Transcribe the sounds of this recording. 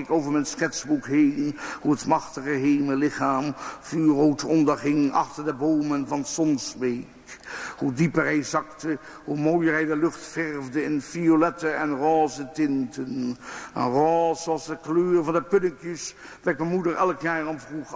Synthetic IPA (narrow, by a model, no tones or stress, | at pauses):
ɪkowvəɹmɛnsχɛtsbukɦejnhuətmɑχtəχəɦeːməlɪχaːmfyːrowtɔndəɹχɪŋɑ̰χtəɹdəboːmənvɑnsɔnsbejkhudipəɹɦɛjzɑktə | humowjəɹɦɛjdəlɵχtfɛrvdəɪnfiolɛtəɛnrɔːzətɪntənənroːsɑsdəkløːrvɑndəpɵdɪŋkjəs | bɛkmɛnmudəɹɛlkjaːɹɔmvru